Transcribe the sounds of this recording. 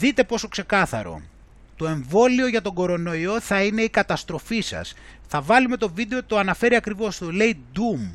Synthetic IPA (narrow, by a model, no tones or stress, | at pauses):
ðit̪e̞po̞so̞kse̞kɐθɐ̰ɾo̞̰ | t̪o̞e̞ɱvo̞lio̞ʝɐt̪o̞ɡo̞ɾo̞no̞io̞θɐine̞ikɐt̪ɐst̪ɾo̞fisɐ̰sθɐvɐlume̞t̪o̞vid̪e̞ot̪o̞ɐnɐfe̞ɾiɐkɾivo̞st̪ole̞id̪um